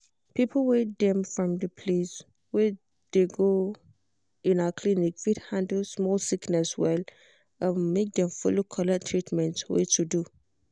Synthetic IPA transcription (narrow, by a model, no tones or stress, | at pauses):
pipʰəl̩wet̚dɛ̃mfɹɔ̃mdəpʰles | wɛ | d̥eɡo | ĩnakʰlinikfidhãndəsmɔlsiknɛswɛl | amːek̚dɛ̃mfulokʰɔlatʰɹitmɛ̃ntwḛtʰudu